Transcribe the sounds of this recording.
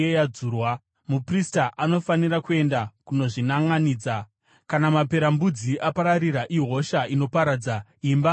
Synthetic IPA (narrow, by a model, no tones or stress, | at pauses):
ejad͡zuːrwa | mupristaʔano̞faniɾakue̞ndakuno̞ʐinaŋaniːd͡za | kanamape̞ɾambud͡ziʔapaɾaɾiɾaʔiɦo̞ʃaino̞paɾad͡zaiːmba